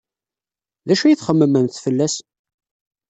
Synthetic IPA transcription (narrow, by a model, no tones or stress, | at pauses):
ðæʃæjiθχəmːəmənθfəlːæs